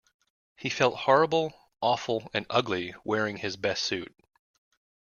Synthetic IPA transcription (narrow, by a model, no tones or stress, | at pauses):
hifɛlˠt̚hɔɹəbl̩ˠ | ʔɔfl̩ˠɨ̃nʌɡliwɛɹɪ̃ŋɨzbɛstsʉt̚